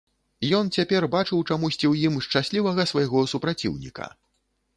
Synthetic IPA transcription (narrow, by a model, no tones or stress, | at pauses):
jɔnt͡sʲapʲɛrbat͡ʂɨwt͡ʂamusʲt͡sʲiwjimʂt͡ʂasʲlʲivɐɣɐsvajɣɔsupɾat͡sʲḭwnʲḭkɐ̰